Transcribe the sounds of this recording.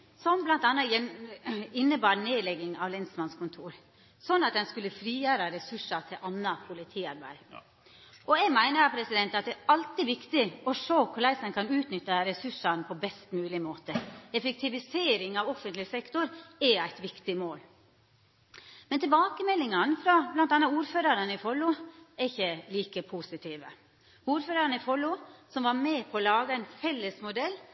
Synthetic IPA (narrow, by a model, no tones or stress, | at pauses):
sɔmblɑnt̪ɑnːɑjɛ | ɪnːəbɑːɾneːd̪lɛɡɪŋɑʋlɛnsmɑnskʊnt̪ʰuːɾ | sɔnːɑt̪̚d̪ɛnskʉlːəfɾiːjøːɾɑɾɛsʉʂɑt̪ʰɪʔɑnːɑpʰʊlɪt̪ʰiːɑɾbæ̰ɪ | ɔɛɡmæɪnəpʰɾɛsɪd̪ɛnt̪ɑt̪̚d̪ɛɑlt̪ɪʋɪkt̪ɪɔʂoːkʰʊɭæɪsənkʰɑnʉːt̪nʏt̪ːɑɾɛsʉʂɑnpʰɔbɛst̪mʉːlɪmoːt̪əɛfɛk̚t̪ʰɪʋɪseːɾɪŋɑʋɔfənt̪lɪsɛkt̪ʊɾɛæɪt̪ʋɪkt̪ɪmoːl | mɛnt̪ɪlbɑːkəmɛlːɪŋɑnfɾɑblɑnt̪d̪ɑnːɑuːɾføːɾɑɾənəɪfɔlʊɛɾɪçəliːkəpʰusɪt̪ʰiːʋə | uːɾføːɾɑɾnɪfɔlʊsɔmʋɑɾmɛːpʰɔːlɑːɡəæɪnfɛlːəsmʊd̪ɛlː